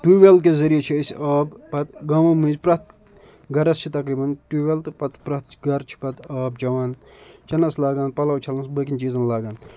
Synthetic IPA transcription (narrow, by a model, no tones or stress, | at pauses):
ʈuʋelk̬ezɐɾijet͡ʃʰiəsʲaːbpɐt̪ɡɐmɐmɨzʲpɾɐt̪̚ | ɡɐɾɐst͡ʃʰit̪ɐkɾiːbɐnʈuʋelt̪ɨpɐt̪pɾɐt̪̚t͡ʃʰiɡɐɾt͡ʃʰi̥pɐt̪aːb̚d͡ʒɐʋaːn | t͡ʃɐnɐslaːɡaːnpɐlɐwt͡ʃʰɐlɐnsbəkʲinʲt͡ʃiːzɐnlaːɡaːn